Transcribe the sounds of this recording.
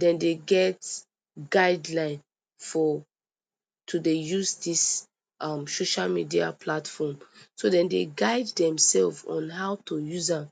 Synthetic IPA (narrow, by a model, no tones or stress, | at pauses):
dɛ̃ndeɡɛt | ɡaɪdlãɪ̃n | fɔ | tʰudejuzdis | ʔʌ̃msoʃalmidia̰pʰlatfɔmsodɛ̃ndeɡaɪdːɛ̃msɛlvɔ̰̃nɦaʊtʰojuzãm